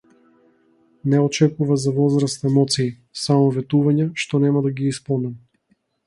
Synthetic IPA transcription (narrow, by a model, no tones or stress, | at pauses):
nɛɔt͡ʃɛkuvazavɔzɾast̪ɛmɔt̪siː | samɔvɛt̪uvaɲaʃt̪ɔnɛmad̪aɡiispɔlˠnɛm